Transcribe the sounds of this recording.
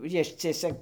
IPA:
ˈjɪʃʲt͡sʲiɛsʲɛ

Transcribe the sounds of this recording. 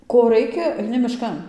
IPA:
ˈkoː ˈrɐɪkʲɛ ɐɪˈnʲɪ mʲɪˈʃkɐn

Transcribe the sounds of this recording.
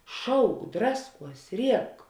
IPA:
ˈʃɐʊk ˈdrɑːsˌkuɔs ˈrʲiɛk

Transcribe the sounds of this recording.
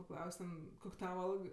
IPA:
pɐˈklˠɐʊsʲ tʲɛn ˈkoːkʲ ˈtɑːʋɐ ˈɐlˠk

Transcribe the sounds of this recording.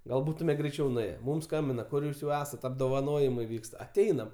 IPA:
ˈɡɐlˠ ˈbuːtʊmʲɛ ɡrʲɛɪˈt͡ʃʲɛʊ nʊˈeːjɛ ˈmʊm ˈskɐmʲbʲɪnɐ ˈkʊr ˈjuːs jɛʊ ˈæːsɐt ɐbdoːʋɐˈnoːjɪmɐɪ ˈʋʲiːkst ɐˈtʲɛɪnɐm

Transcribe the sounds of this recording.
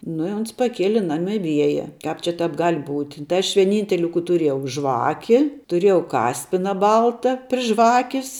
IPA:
nʊ ɪ ˈoːns pɐˈkʲiɛlʲɪ ˈnɑːmʲɪ ˈʋʲiɛjɛ ˈkɑːp t͡ʃʲɛ ˈtɑːp ˈɡɐlʲ buːtʲ tɐɪ ɐʃ ʋʲiɛˈnʲiːnʲtʲɛlʲɪ kuː tʊˈrʲiɛjɛʊ ˈʒʋɑːkʲɪ tʊˈrʲeːjɛʊ ˈkɑːsʲpʲɪnɐ ˈbɐlˠtɐ pʲrʲɪ ˈʒʋɑːkʲɪs

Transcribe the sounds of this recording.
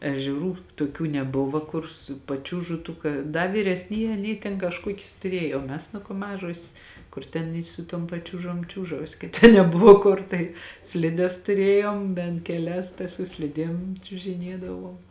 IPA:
ɛʒʲɛˈruː toːˈkʲuː nʲɛˈbʊʋoː ˈkʊr sʊ pɐˈt͡ʃʲuːʒʊ tuː ˈkɐ ˈdɐ ʋʲiːrʲɛsʲˈnʲiːjɛː ɐˈnʲiːj tʲeːn kɐʃˈkuɔkʲɪs tʊˈrʲeːjoː oː ˈmʲɛs nʊ koː ˈmɑːʒoːsʲeːs ˈkʊr tʲɛn ɪ sʊ ˈtuɔm pɐˈt͡ʃʲuːʒoːm ˈt͡ʃʲuːʒɐʊsʲɪ kɐt ˈtʲɛn ˈnʲæːbʊʋoː ˈkʊr tɐɪ ˈsʲlʲɪdʲɛs tʊˈrʲeːjoːm bʲɛnt kʲɛˈlʲɛs tɐ sʊ ˈsʲlʲɪdʲiɛm t͡ʃʲʊʒʲɪˈnʲiɛdɐʋoːm

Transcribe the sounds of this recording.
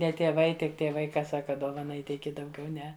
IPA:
ˈnʲɛ tʲiɛˈʋɐɪ ˈtʲɪk tʲiɛˈʋɐɪ ˈkɐ ˈsɑːkɐ ˈdoːʋɐnɐ ˈiːtʲɛɪkʲɪ dɐʊˈɡʲɛʊ ˈnʲɛ

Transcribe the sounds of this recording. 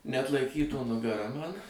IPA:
nʲɛɐtlˠɐɪˈkʲiːtuː nʊɡɐˈrɐ ˈmɑːnɐ

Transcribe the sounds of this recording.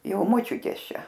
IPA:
ˈjɛʊ moːˈt͡ʃʲʊtʲeːs ˈt͡ʃʲɛ

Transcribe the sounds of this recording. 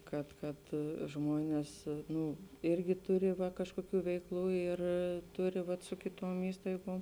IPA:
ˈkɐt ˈkɐt ˈʒmoːnʲeːs ˈnuː ˈɪrʲɡʲɪ ˈtʊrʲɪ ʋɐ kɐʃkoːˈkʲuː ʋʲɛɪkˈlˠuː ɪr ˈtʊrʲɪ ʋɐt sʊ kʲɪˈtoːm ˈiːstɐɪɡoːm

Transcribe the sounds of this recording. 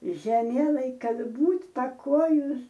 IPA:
ʒʲɛˈmʲiɛlˠɐɪj ˈkɐt ˈbuːtʲ pɐˈkoːjʊs

